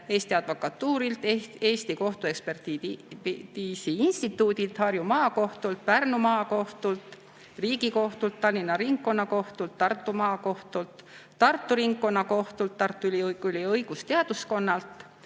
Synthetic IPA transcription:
e̞ːst̪iɑd̪̥vokɑt̪ːuːɾilt̪ee̞ːst̪iko̞ht̪ue̞kspert̪i | t̪iːsiinst̪it̪ːˑuːd̪ilt̪hɑɾjumɑːko̞ht̪ult̪̚pærnumɑːko̞ht̪ult̪ | riːɡiko̞ht̪ult̪ːɑlʲːinːɑɾiŋkkːo̞nːɑko̞ht̪ult̪ːɑrt̪ːˑumɑːko̞ht̪ult̪t̪ːɑrt̪ˑːuɾiŋkːo̞nːɑko̞ht̪ult̪ːɑrt̪ːˑuyliyliɤjɡ̥ust̪eɑd̪̥usko̞nːɑlt̪ˑ

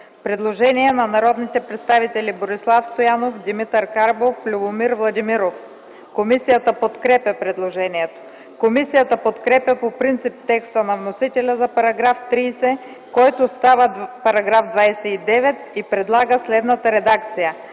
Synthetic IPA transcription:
pɾɛd̪lˠoʒɛniɛnɐnɐɾɔd̪nit̪ɛpɾɛt̪st̪avit̪ɛliboɾislˠafst̪ojanofd̪imit̪əɾkaɾboflʲubomiɾvlˠɐd̪imiɾof | komisijət̪əpot̪kɾɛpʲɐpɾɛd̪lˠoʒɛniɛt̪o̥ | komisijət̪əpot̪kɾɛpʲjəpopɾint̪sip̚t̪ɛkst̪ənɐvnosit̪ɛlʲəzɐpɐɾɐɡɾaft̪ɾiːsɛ | kɔjt̪ost̪avəpɐɾɐɡɾafd̪vajsɛid̪ɛvɛt̪ipɾɛd̪lˠaɡəslɛd̪nət̪əɾɛd̪ak̚t̪sijə

